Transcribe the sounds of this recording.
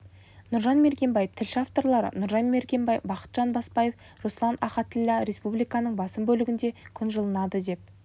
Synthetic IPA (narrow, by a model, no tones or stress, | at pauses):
nʊɾʒɑnme̞ɾkʲe̞mbɑjt̪ʰɪlʃɪaft̪o̞ɾlˠɑɾə̰nʊɾʒɑnme̞ɾkʲe̞mbɑjbɑqə̥t̪ʒ̥ɑnbɑspɑje̞f | roslˠɑnʔɑχɑt̪ɪlʲːæɾe̞spublijkɑnəɴbɑsəmbɵlɪɡʲɪnd̪e̞kʲʰʏnʒəlˠənɑd̪əd̪e̞p̚